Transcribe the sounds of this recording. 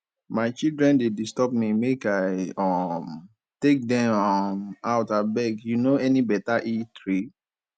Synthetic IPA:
maɪt͡ʃildɹɛ̃ndedistɔp̚mimekaɪɔm | tek̚dɛ̃mɔmaʊtabɛɡjunoɛnibɛtaʔitɹi

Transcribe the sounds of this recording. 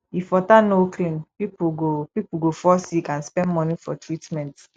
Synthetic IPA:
ifɔtanoklĩnpipuɡopipuɡofɔsikãnspɛ̃ndmɔnifɔ̰tɹitmɛ̃nt

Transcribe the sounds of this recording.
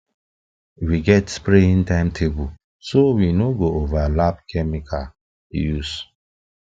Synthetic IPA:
wiɡɛtspɾeĩntãɪ̃mtʰebul | sowinoɡoovalapkʰɛmikʰa̰ | jus

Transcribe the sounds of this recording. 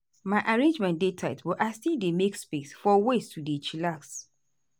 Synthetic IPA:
maʔaɹẽnd͡ʒmɛ̃nt̚detʰaɪsbɔʔaɪstildemekspesfɔwestʰudet͡ʃilaks

